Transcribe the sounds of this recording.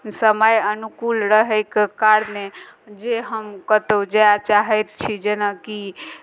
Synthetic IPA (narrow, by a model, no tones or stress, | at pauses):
səməjənukulɾəɦəjkekaɾned͡ʒeɦəmkət̪əwd͡ʒajat͡ʃaɦɛt̪̚t͡ʃʰid͡ʒenaki